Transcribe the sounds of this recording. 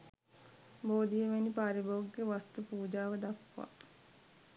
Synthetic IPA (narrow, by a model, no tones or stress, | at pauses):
boːd̪ijəʋenipaɾibouɡːeʋast̪upuːd͡ʒaːʋəd̪akʋa̰